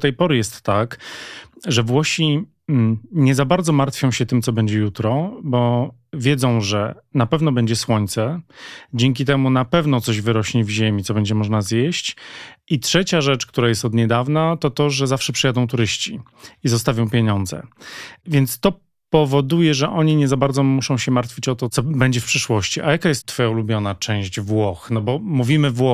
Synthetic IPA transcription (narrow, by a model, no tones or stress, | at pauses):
t̪ɛjpɔɾɘjɛst̪ːak | ʐɛvwɔɕi | ɲɛzabaɾd̪zɔmaɾt̪fʲjɔ̃w̃ɕɛt̪ɘmt̪ɔbɛɲd͡ʑɛjut̪ɾɔbɔvʲjɛd̪zɔ̃w̃ʐɛ | napɛvnɔbɛɲd͡ʑɛswɔɲt̪sɛd͡ʑɛŋk̬ʲit̪ɛmunapɛvn̪ɔt̪sɔʑvɘɾɔɕɲivʑemʲit̪ɔbɛɲd͡ʑɛmɔʐnazjɛɕt͡ɕitʂɛt͡ɕaʐɛt͡ʂk̚t̪uɾajɛst̪ɔd̪ɲɛd̪avnat̪ɔt̪ɔʐɛzafʂɛpʂɛjad̪ɔ̃w̃t̪uɾɘɕt͡ɕiizɔst̪avʲjɔ̃w̃pʲjeɲɔnd̪zɛ̰vʲjɛnt̪st̪ɔ | pɔvɔd̪ujɛʐɛʔɔɲiɲɛzabaɾd̪zɔmuʂɔ̃w̃ɕɛmaɾt̪fʲit͡ɕɔt̪ɔt̪sɔbɛɲd͡ʑɛfpʂɘʂwɔɕt͡ɕiʔajakajɛst̪ːfɔjaulubʲjɔnat͡ʂɛ̃w̃ɕd͡ʑvwɔxnɔbɔmuvʲimɘvwɔ